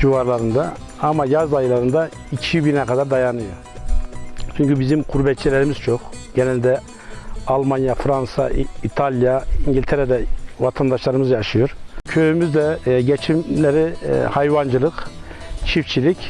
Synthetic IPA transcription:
d͡ʒuvaɾlˠaɾɯnd̪a | amajazajɯlˠaɾɯnd̪a | icʰiibinɛkʰad̪aɾd̪ajanɯjo | t͡ʃʰyɲcybizimkʰuɾbɛt̪t͡ʃːilʲɛɾimiz̥t͡ʃʰo̞xɟ̥enɛlʲd̪ɛ | alˠmanjafɾansa̰it̪ʰalʲˠjaiɲɟilʲt̪ʰeɾɛd̪ɛvat̪ʰand̪aʃlˠaɾɯmɯzd͡ʒaːʃɯjoɾcʰø̞jymyzd̪ɛɟet͡ʃʰimlʲeɾihajvand͡ʒɯlˠɯk | t͡ʃʰift͡ʃʰilʲic

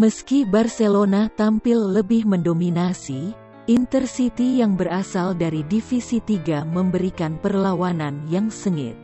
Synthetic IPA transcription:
məskibarselonat̪ampɪlːəbɪhməndominasi | ʔint̪ərsit̪ijaŋbərasaldaɾidifisit̪iɡaməmbəɾikanpərlawananjaŋsəŋɪ̰t̪̚

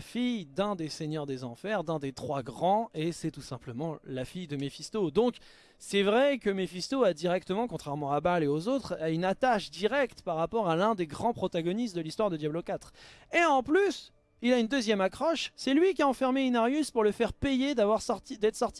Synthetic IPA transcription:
fijd̪ɛ̃d̪eseɲœʁd̪ezɑ̃fɛʁd̪ɛ̃d̪et̪χwaɡʁɑ̃esɛt̪usɛ̃pləmɑ̃lafijd̪əmefist̪od̪ɔ̃k | sɛvʁɛkəmefist̪oad̪iʁɛk̚t̪əmɑ̃kɔ̃t̪χɛʁmɑ̃abaleozot̪χaynat̪aʃd̪iʁɛkt̪paʁːapɔʁalɛ̃d̪eɡʁɑ̃pχɔt̪aɡɔnist̪̚d̪əlist̪waʁd̪əd̪jablokʲat̪χeɑ̃plys | ilaynd̪øzjɛmakχɔʃsɛlɥikʲiaɑ̃fɛʁmeynaʁjyspuʁləfɛʁpejed̪avwaʁst̪id̪ɛt̪χsɔʁt̪i

